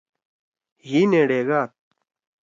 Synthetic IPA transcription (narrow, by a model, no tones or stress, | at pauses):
jineːɽeːɡaːt̪̚